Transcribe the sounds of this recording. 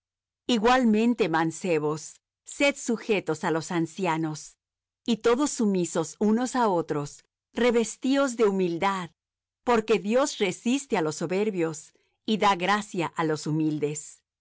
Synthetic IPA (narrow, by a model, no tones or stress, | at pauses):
iɣwalmẽ̞nt̪e̞manse̞βo̞sː | e̞ðsuxe̞t̪o̞salo̞sansjano̞s | it̪o̞ðo̞sːumiso̞suno̞sao̞t̪ɾos | re̞βe̞st̪io̞zðe̞umild̪að | po̞ɾke̞ðjo̞sre̞sist̪e̞alo̞sːo̞βe̞ɾβjo̞s | iðaɣɾasjaʔalo̞sumild̪e̞s